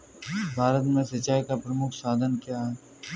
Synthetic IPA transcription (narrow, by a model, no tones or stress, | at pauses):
bʱaːɾət̪mẽsɐt͡ʃaːikapɾəmʊkʰsaːd̪ʱənkjaɦɛː